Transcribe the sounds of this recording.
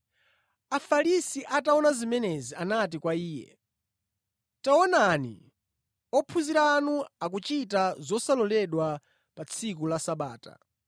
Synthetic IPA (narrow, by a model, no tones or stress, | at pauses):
afaɾisiʔataɔnazimɛnezianat̬ikwaiːjɛ̰ | taɔnanḭ | ɔpʰuziɾaːnuak̬ut͡ʃitazɔsalɔlɛɗwa | pat͡sʰik̬ulasaɓaːta̰